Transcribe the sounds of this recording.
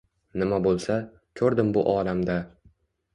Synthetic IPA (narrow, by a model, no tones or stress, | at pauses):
nɪmabolˠsa | kʲʰɵɾd̪ɪmbʊʔɒːlamd̪a